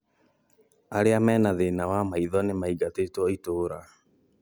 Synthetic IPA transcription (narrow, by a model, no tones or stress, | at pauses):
aɾeamɛːnaðenawamaiðɔnemaiɡatetwɔitoːɾa